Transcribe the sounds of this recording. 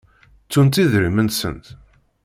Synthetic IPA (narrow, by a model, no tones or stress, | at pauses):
t͡sːunt̪iðɾimənt̪sə̰nt̪